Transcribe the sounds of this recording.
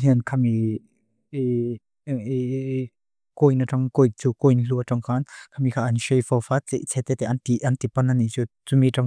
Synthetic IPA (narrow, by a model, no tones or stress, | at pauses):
ɦinkʰami | kojnaʈ͡ʂaŋkojt͡sukojnluətɔŋkʰankʰamikʰaʔanʃejfɔfat͡sḛʔt͡sʰɛt̪ɛt̪ɛʔant̪iʔɐnt̪ipanːanit͡sut͡sumiʈ͡ʂaŋ